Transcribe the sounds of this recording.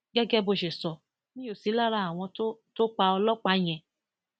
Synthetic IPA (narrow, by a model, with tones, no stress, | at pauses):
ɡɛ˦ɡɛ˦bo˧˨ʃe˨sɔ˨ | nĩ˦o˦˨si˨˦la˦ɾa˧˦a˨w̃ɔ̃˧˦to˦k͡pa˧ɔ˧lɔ˦k͡pa˧˦j̃ɛ̃˧˨